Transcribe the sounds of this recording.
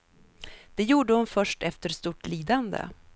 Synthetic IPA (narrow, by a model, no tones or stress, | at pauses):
d̪̥ɛjuːɖəhʊnfœʂʈɛft̪əɾst̪uːʈliːd̪and̪ə̰